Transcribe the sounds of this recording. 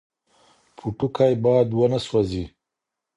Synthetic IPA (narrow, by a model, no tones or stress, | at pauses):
pʰuʈukajbɑːd̪wənaswazi